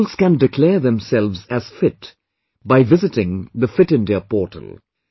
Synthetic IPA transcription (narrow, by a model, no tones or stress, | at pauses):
lskæ̃ndɪkʰlɛːɹðɛ̃msɛlvzæz̥fɪt | baɪvɪzɨtɪ̃ŋðəfɪtɨ̃nd̪ɛpɔːʈʰə̰lˠ